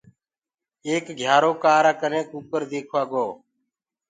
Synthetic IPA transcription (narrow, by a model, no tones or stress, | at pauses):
eːkɡʱjaːɾoːkaːɾaːkənẽːkuːkəɾd̪eːkʰʋaːɡoː